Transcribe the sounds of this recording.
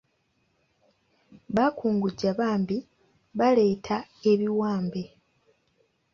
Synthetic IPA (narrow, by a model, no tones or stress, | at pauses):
βakuːŋɡuɟaβaːmbi | βale̞ːtʰae̞βiwaːmbe̞